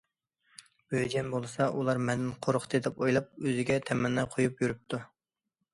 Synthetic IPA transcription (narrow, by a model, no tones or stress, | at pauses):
bød͡ʒɛnbolˠɨsɑʔulˠɑɾmɛnd̪ɪnqʰoɾʊχʰt̪ʰɨd̪ɛpojlˠɑp̚øzɪɡʲɛt̪ʰɛmɛnːɛqʰojupjyɾyp̚t̪ʰu